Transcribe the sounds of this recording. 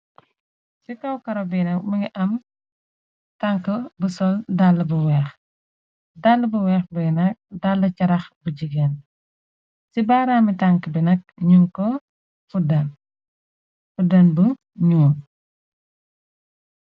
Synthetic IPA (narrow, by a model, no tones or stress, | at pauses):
sikɐwkɐɾɐbinɐk̚mɐŋɡiʔɐm | taŋkəbəsɔldalːɐbuwɛːx | dalːəbɐwɛːxbinɐk̚dalːɐcɐɾɐxbəɟiɡɛːn | sibaːɾaːmitaŋkəbinɐk̚ɲuŋkɔ | fudɐn | fudɐnbə | ɲuːn